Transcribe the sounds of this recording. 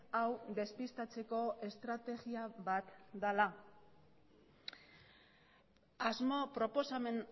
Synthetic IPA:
awd̪e̞spist̪at͡se̞ko̞e̞st̪ɾat̪e̞ɣiaβat̪d̪ala | azmo̞pɾo̞po̞samen

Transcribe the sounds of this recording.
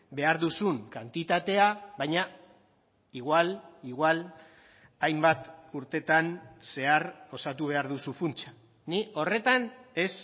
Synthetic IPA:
be̞aɾðusuŋkant̪it̪at̪e̞aβajɲa | iɣwaliɣwal | ajmbat̪uɾt̪e̞t̪anse̞aro̞sat̪uβ̞e̞aɾðusufunt͡ʃḁ | niʔo̞re̞t̪ane̞s

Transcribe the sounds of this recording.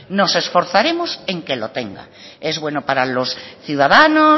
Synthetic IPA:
no̞se̞sfo̞ɾθaɾe̞mose̞ŋkelo̰t̪e̞̰ŋɡa̰ | e̞zβwe̞nopaɾalosθjuðaðano

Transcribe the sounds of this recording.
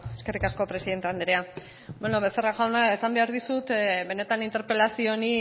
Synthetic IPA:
e̞ske̞rikasko̞pɾesiðe̞nt̪eand̪eɾea | benoβe̞st̪eraʝawnae̞sambe̞aɾðisut̪βe̞ne̞t̪anint̪e̞ɾpe̞lasio̞ni

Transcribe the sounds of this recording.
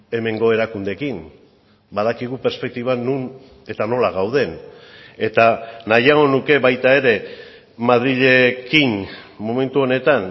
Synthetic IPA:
e̞me̞ŋɡo̞e̞ɾakund̪e̞kin | baðakiɣ̞upeɾspe̞k̚t̪iβanun | e̞t̪ano̞laɣawð̞e̞ne̞t̪anajaɣo̞nuke̞βajt̪ae̞ɾe̞ | maðɾiʎe̞kimmo̞me̞nt̪uo̞ne̞t̪an

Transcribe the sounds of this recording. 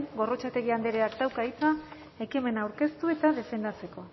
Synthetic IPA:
ŋɡo̞ro̞t͡ʃat̪e̞ɣiand̪eɾeakd̪awkait͡sa | e̞kime̞naːwɾke̞st̪ue̞t̪aðe̞fe̞nd̪at͡se̞ko̞

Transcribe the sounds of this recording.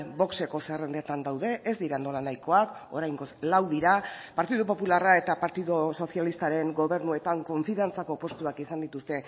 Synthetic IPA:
bo̞kse̞ko̞serend̪et̪and̪awðe̞ʔːzd̪iɾand̪olanajko̞ako̞ɾajŋɡo̞slawðiɾapaɾt̪iðup̬o̞pularae̞t̪apaɾt̪iðoso̞sialist̪aɾe̞ŋɡo̞βe̞ɾnue̞t̪aŋko̞ɱfiðant͡sako̞po̞st̪uakisand̪it̪ust̪e̞

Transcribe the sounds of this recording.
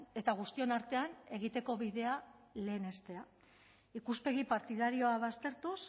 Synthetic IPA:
e̞t̪aɣ̞ust̪io̞naɾt̪e̞ane̞ɣ̞it̪e̞ko̞βiðe̞ale̞ːne̞st̪e̞a | ikuspe̞ɣipaɾt̪iðaɾio̞aβast̪e̞ɾt̪us

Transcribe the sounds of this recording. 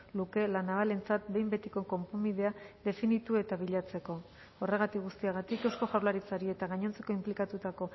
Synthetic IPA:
luke̞lanaβale̞nt͡sat̪̚be̞jmbe̞t̪iko̞ko̞mpomið̞e̞aðe̞finit̪ue̞t̪aβiʎat͡se̞ko̞ | ore̞ɣ̞at̪ikɣust̪iaɣ̞at̪ikewsko̞ʝawlaɾit͡saɾie̞t̪aɣaɲo̞nt͡se̞ko̞implikat̪ut̪ako̞

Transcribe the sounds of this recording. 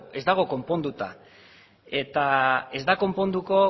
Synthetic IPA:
e̞zd̪aɣ̞o̞ko̞mpo̞nd̪ut̪a | e̞t̪ae̞zd̪ako̞mpo̞nd̪uko̞

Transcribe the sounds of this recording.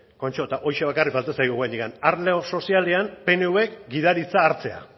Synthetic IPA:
ko̞nt͡ʃo̞t̪aʔo̞jʃe̞β̞akarik̚balt̪esajɣuɣajnikanaɾle̞o̞so̞siale̞ampe̞neue̞kɡiðaɾit͡saːɾt͡se̞a̰

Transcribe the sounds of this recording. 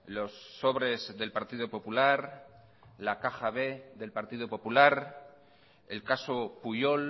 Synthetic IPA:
lo̞sːo̞βɾe̞zðe̞lpaɾt̪iðopo̞pulaɾ | lakaxaβe̞ðelpaɾt̪iðopo̞pulaɾ | e̞̰lkaso̞puʎo̞l

